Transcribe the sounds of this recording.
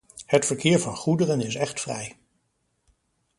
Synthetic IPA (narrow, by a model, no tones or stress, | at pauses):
hətfəɹkɪːɹvɑnχudərənɪsɛχtfrɛ̰j